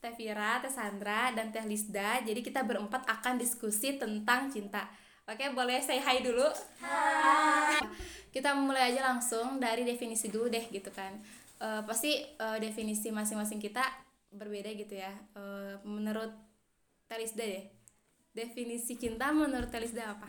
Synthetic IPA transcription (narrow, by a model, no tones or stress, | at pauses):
t̪ɛfiɾat̪esand̪ɾadant̪ɛhlisdad͡ʒadikit̪abəɾəmpat̪akandiskusit̪ənt̪aŋt͡ʃint̪a | pakebolɛhsajɦajdulu | kit̪amulajad͡ʒalaŋsʊŋdaɾidefinisidudɛhɡit̪ukan | ʔəːpast̪iədefinisimasɪŋmas̬ɪŋkit̪a | bərbedaɡit̪ujaəmənəɾʊt̪̚ː | ɛlisdadɛ | definisit͡ʃint̪amənəɾʊt̪ːelisdaːpa